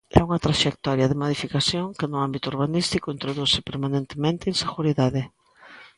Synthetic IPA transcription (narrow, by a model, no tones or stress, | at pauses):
ɛ̰uŋɐt̪ɾaʃekt̪ɔɾjɐðɪmoðifikasjoŋkɪnʊambit̪ʊuɾβ̞anist̪ikʊint̪ɾoðusɪpeɾmanẽnt̪emẽnt̪ɪːŋseɣuɾiðaðɪ